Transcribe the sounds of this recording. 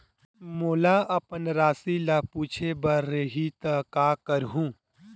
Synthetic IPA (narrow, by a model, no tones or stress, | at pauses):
moːlaɐpənɾaːsilapuːt͡ʃʰebaɾɾeɦit̪əkaːkəɾɦũː